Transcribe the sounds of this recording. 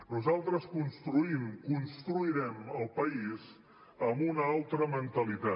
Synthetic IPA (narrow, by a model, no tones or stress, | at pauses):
nuzalˠt̪ɾəskunst̪ɾuimkunst̪ɾuiɾɛməlˠpəiz | əmunəalˠt̪ɾəmənt̪əlit̪a